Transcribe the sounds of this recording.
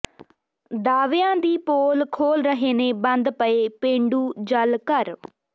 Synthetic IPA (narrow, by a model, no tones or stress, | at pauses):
d̪aːʋejãːd̪iːpoːlkʰoːlɾəɦeːneːbənd̪pəeːpẽːɳɖuːd͡ʒəlkəɾ